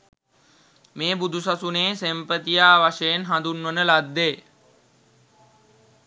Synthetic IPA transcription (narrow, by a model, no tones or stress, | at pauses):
meːbud̪ʱusasuneːsempət̪ijaːʋaʃejenɦand̪unʋənəlad̪ːeː